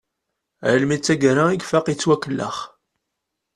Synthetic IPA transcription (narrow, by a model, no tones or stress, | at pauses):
ʕəlmit͡sːæɡɾaiɡfaqit͡sːwækːəlːə̰χ